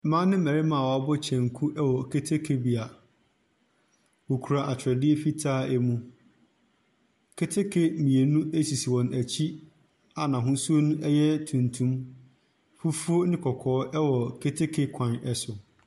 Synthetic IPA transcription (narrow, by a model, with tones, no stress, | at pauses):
mã˦nɪ̃˦mæ˨ɾɪ˦mã˨wɔ˨a˦bɔ˦t͡ɕʰɛ̃˨ŋ˨kʰu˦ʔɛ˦wɔ˨kʰe˦tʰe˦kʰe˦bi˨a˨ | wo˨kʰu˨ɾa˨ʔa˨t͡ɕʰɪ˨ɾɛ˨dɪ˦e˦fi˦tʰaː˦ɛ˦mũ˦ | kʰe˦tʰe˦kʰe˦mĩ˨e˨nũ˦e˦si˨si˨wɔ̃˨næ˨t͡ɕʰi˦ | a˨nã˨ɦʊ̃˦su˦o˦nũ˦ʔɛ˦jɛ˦tʰũ˨ntʰũ˦m | fu˦fu˦o˦nɪ̃˦kʰɔ˨kʰɔː˨˦ʔɛ˦wɔ˨kʰe˦tʰe˦kʰe˦kʷʰã˨nɛ˦sʊ˨